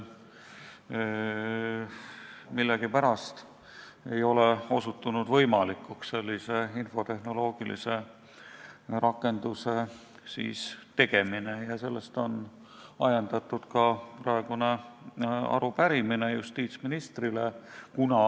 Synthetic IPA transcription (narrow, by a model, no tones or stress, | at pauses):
milːeɡ̥ipæɾɑst̪ | e̞jo̞leo̞sut̪ːˑunud̪vɤ̞jmɑlikːˑuksse̞lʲːise̞info̞t̪e̞hno̞lo̞ːɡ̥ilḭse̞ | rʔɑkːˑe̞nd̪use̞ | sḭːst̪e̞ɡ̥e̞minejɑse̞lːest̪o̞n | ɑjɑnd̪̥ɑt̪ːˑud̪̥kɑprɑe̞ɡ̥une̞ | ɑ̰ɾupæɾiminejust̪iːt̪sminist̪rilekunɑ